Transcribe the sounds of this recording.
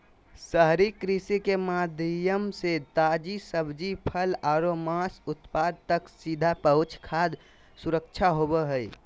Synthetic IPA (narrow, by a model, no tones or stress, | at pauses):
səɦɾikɾisikemad̪ʱijəmset̪aːd͡ʒisəbd͡ʒipʰəlaːɾomaːsʊt̪paːd̪̚t̪əksid̪ʱapəʊt͡ʃʰkʰaːd̪ | sʊɾək̚t͡ʃʰaɦobəɦəi